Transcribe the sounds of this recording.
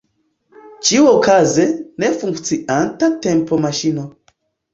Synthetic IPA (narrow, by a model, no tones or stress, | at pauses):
t͡ʃiwokʰazɛnefũŋkt͡siʔantatɛ̃mpʰomaʃino